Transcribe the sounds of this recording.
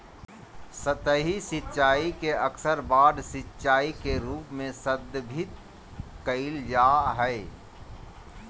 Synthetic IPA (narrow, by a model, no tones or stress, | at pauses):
sət̪əɦisɪtːʃaːikeɐksəɾbaːd̪sɪtːʃaːikeɾuːpmẽsəd̪bʱɪt̪ | kəild͡ʒaːɦɛː